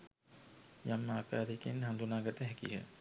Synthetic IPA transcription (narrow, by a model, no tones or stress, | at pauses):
jamːaːkaːɾikenɦand̪unaːɡat̪əɦɛkiɦə̰